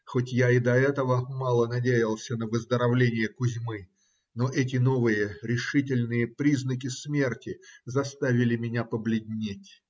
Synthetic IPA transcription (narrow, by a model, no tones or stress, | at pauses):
xotʲjaɪd̪ɐɛt̪əvəmɑlˠənɐdʲejɪlˠsʲənəvəzd̪əɾɐvlʲenʲɪjəkʊzʲmɨ | noʔɛt̬ʲɪno̞vɨjəɾʲɪʂɨtʲɪlʲnɨjəpɾʲiznək̬ʲɪsmʲe̞rtʲɪzɐst̪avʲɪlʲɪmʲɪnʲapəblʲɪdʲnʲetʲ